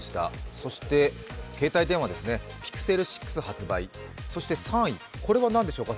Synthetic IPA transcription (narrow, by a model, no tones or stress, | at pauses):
ɕi̥t̪a̰so̞ɕi̥t̪e̞ke̞ːt̪ait̪ẽ̞ɰ̃βad̪esɨne̞ | pʲi̥kɯ̟̥se̞ɾɯ̟ɕi̥kːɯ̥sɨhat͡sɨbai | so̞ɕi̥t̪esãɰ̃iko̞ɾe̞βanãnd̪e̞ɕo̞ːka